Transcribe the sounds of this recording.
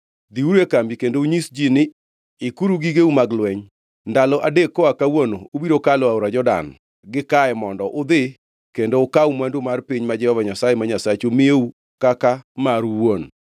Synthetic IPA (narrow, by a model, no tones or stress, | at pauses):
d̪iuɾekambikendouɲisd͡ʒinɪ | ɪkuɾuɡiɡeumaɡlwɛɲ | ndalɔʔadekːɔakawonoobiɾokalɔaoɾad͡ʒɔda̰n | ɡɪkaɛmɔndɔʔʊd̪ɪ | kendoʊkawmandomarpiɲmad͡ʒɛhɔvaɲasajemaɲasat͡ʃomɪeu | kakamaɾwon